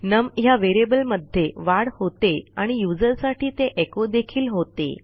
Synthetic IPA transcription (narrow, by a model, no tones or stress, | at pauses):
nəmɦjaʋeɾebəlməd̪ʱjeʋaɽhot̪eaɽ̃ijud͡zəɾsaʈiːt̪eʔekod̪ekʰiːlɦot̪ḛ